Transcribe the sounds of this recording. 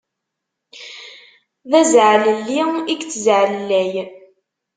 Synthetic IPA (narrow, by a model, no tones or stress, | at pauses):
ðæzʕləlːiiɡt͡sːəzʕəllːæj